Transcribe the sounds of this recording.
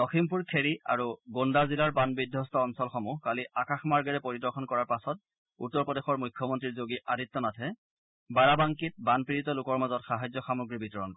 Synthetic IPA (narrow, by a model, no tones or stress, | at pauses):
ɔximpuɹkʰeɹia̰ɹuɡondazilaɹbanbidʱjɔstɔːnsɔlxɔmukaliʔakaxmaɹɡɛɹɛpoɹidɔɹkʰɔnkɔɹaɹpasɔt̚ | utːɔɹpɔdexɔɹmujkʰːɔmɔntɹiɹzoɡiʔaditːɔnatʰɛ | baɹabaŋkit̚banpiɹitɔlukɔɹmazɔtxaɦajzɔxamuɡɹibitɔɹɔnk